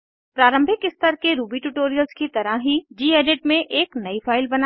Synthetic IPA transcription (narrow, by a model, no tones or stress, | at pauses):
pɾaːɾə̃mbʱɪkɪst̪əɾkeɾuːbiʈuːʈoːɾijəlskit̪ɐɾaɦɦid͡ʒiːeːɖeʈmẽʔeːknɐifʰaːɪlbɐna